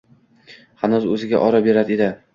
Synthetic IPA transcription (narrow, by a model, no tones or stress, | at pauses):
hanʊzɵzɪɡʲa̰ʔɒɾabe̞ɾad̪ɪed̪ɪ